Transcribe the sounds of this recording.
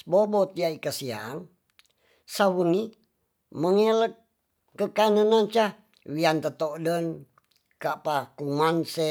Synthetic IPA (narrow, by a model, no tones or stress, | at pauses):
bobot̪iaikəsia̰ŋ | sawuni | məŋelək̚ | kəkanənant͡ʃa | wiant̪ət̪oʔdən | kapakuŋanse